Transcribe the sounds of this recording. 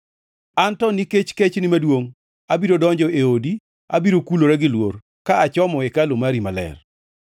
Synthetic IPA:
antɔniket͡ʃket͡ʃnɪmadwoŋ | abiɾodɔɲd͡ʒɔʔeodi | a̰biɾokuloɾɛɡɪlwor | kaat͡ʃɔmɔekalomaɾimalɛ̰r

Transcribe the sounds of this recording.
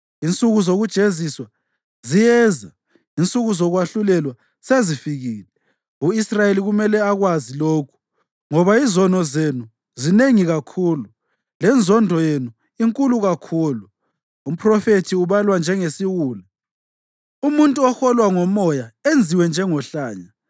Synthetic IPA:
int͡sʼuɣuzoɣud̥ʒ̥ʱeziswa | zijɛza | int͡sʼuɣuzɔɣwaɬulɛlwa | sezifiɣiːlɛ | uisrajeliɣumɛlɛaɣwaziloːkʰu̥ | ŋɔβaizɔnɔzenu | zineŋiɣakʰuːlu | lɛnd͡zʱɔndʱɔjenu | iŋkʼuluɣakʰuːlu | um̩pʰrɔfetʰiuβalwand͡ʒʱɛŋesiwuːlɛ | umuntʼuɔxɔlwaŋɔmɔjaend͡zʱiwɛnd͡ʒʱɛŋɔɬaːɲa

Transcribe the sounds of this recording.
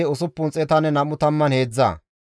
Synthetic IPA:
ɔsʊpːʊnt͡sʼɛt̪ɐnɛnɐmʊt̪ɐmːɐnhe̞ːd͡zːa̰ː

